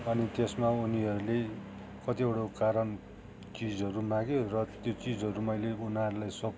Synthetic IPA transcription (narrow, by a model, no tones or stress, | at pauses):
ʌnit̪esmauniɦʌɾule | kʌt̪iewɽokaɾʌn | t͡sid͡zʌɾumãɡjorʌt̪jot͡sid͡zʌɾumʌjleunaɾulajsʌ